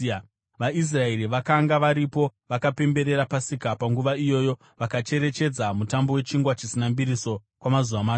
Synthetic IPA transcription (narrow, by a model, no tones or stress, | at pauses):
ʋais̬rae̞ɾiʋakaŋɡaʋaɾipo̞ʋakape̞mbe̞ɾe̞ɾapasikapaŋɡuʋaijo̞ːjo̞ | ʋakat͡ʃe̞ɾe̞t͡ʃe̞d͡zamutambo̞we̞t͡ʃiŋɡwat͡ʃisinambiɾiso̞ | kwamazuʋamaː